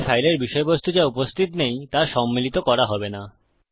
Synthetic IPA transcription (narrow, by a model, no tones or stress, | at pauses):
ʃajleɾbiʃɔebost̪ʰud͡ʑaupost̪ʰit̪nejt̪aɾʃɔmːilit̪okɔɾaɦɔbena